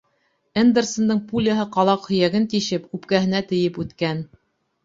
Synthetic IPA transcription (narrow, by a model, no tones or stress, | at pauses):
ænd̪ɘ̆rsə̆nd̪ɤɴpulʲaɦɤqɑlˠɑqhɵ̆jæɡɘnt̪iʃɘpkʉpkæɦɘ̆næt̪ɘ̆jɘpʉt̪kæn